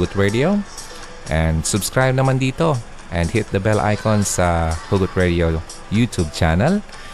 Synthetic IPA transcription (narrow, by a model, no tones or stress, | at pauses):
ut̪ɹedio | ʔɛ̃ndsʊbskɹajb̚namãnd̪iːt̪o | ʔɛ̃ndhɪt̪̚d̪əbɛlʔa̰jkɔ̃nsahuɡʊt̪̚ɹedio | jut̪ʰub̚t͡ʃanəl